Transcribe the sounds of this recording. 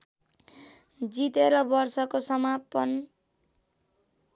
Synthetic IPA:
d͡zit̪eɾʌbʌrsʌkosʌmapʌn

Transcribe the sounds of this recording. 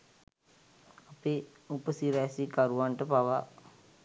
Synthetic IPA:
apeː | upəsiɾɛːsikaɾuʋanʈəpaʋa

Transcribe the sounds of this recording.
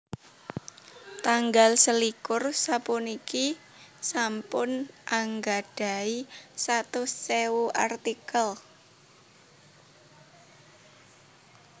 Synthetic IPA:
t̪aŋɡalsəlikʊrsapʊniki | sampʊnʔaŋɡaɖ̥a̤isat̪ʊseuʔart̪ikəl

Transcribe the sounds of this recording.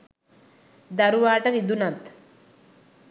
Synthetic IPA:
d̪ɐɾuʋaːʈɐɾid̪unɐt̪

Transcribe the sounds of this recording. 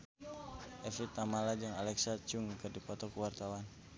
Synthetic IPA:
ʔɛfit̪̚amalad͡ʒaŋalɛksat͡ʃuŋkɨrdipɔt̪ɔkuwart̪awan

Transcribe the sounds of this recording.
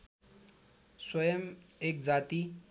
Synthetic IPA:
swʌjəmek̚d͡zat̪i

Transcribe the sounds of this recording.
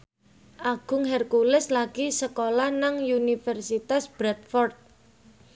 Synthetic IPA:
ʔaɡ̥ʊ̤ŋɦɛrkulɪslaɡ̥isəkolahnaŋjunifɛrsit̪asb̥ɾat̪̚fɔrt̪̚

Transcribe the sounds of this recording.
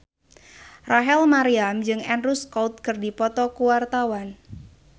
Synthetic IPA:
raɦɛlmaɾiamd͡ʒɨŋɛnruskɔwt̪̚kɨrdipɔt̪ɔkuwart̪awan

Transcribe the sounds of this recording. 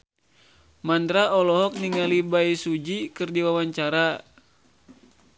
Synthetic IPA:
mand̪ɾaɔlɔɦɔk̚niŋalibaisud͡ʒikɨrdiwawaɲt͡ʃaɾa

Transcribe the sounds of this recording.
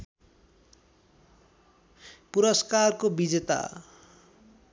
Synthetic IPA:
puɾʌskarkobid͡zet̪a̰

